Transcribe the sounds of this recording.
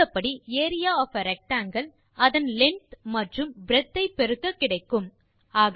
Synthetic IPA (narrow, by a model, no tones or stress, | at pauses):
ɐpːɐɽieːɾɪjaːɔfɐɾɛk̚ʈaːŋɡɐɭ | ɐðɐnlɛɳʈmɐʈrɯmbɾɛt̪ːɐɪpɛɾɯkːɐkːɪɽɐɪkːɯm | aːɣ